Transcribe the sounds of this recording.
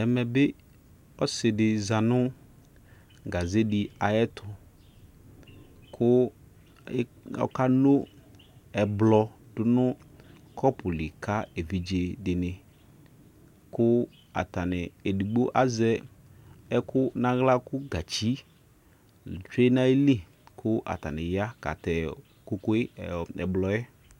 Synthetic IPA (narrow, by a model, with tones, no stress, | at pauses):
ɛ˨mɛ˨bɪ˦ | ɔ˦sɪ˨dɪ˨za˨nʊ˦ | ɡa˨ze˦dɪ˨a˨jɛ˦tʰʊ˨ | kʰʊ˦ | ɔ̰˨ka˦no˦ | ɛ˨blɔ˨dʊ˨nʊ˦ | kʰɔ˦pʰʊ˨lɪ˨kʰa˦e˨vi˨d͡ʒe˨dɪ˨nɪ˨ | kʊ˦ | a̰˨ta˨nɪ˨e˨di˨ɡ͡bo˦ʔa˦zɛ˦ | ɛ˦kʊ˦nã˦ɣla˦kʊ˦ɡa˨t͡ʃi˦˨ | t͡ʃe˦na˦e˦li˦˨ | kʰʊ˦ʔa̰˨ta˨nɪ˨ja˦ka̰˨tɛ˨ | ko˦ko˦ɪ˦ɛ̰˨blɔ˨jɛ˦